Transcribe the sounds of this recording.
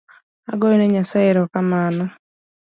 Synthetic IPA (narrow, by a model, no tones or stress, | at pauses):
aɡɔineɲasaeɾɔkamanɔ